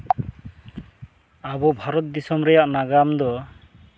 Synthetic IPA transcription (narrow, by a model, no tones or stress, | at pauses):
abɔbʱaɾɔt̪̚d̪isɔmɾɛjaʔnaɡamd̪ɔ